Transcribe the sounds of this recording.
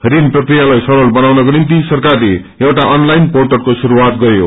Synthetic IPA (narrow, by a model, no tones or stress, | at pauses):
ɦɾinprʌkrijalajsʌɾʌlbʌnawnʌkonint̪̬isʌrkarle | ewʈaʔʌnlajnporʈʌrkosuɾuwat̪̚ɡʌjo̰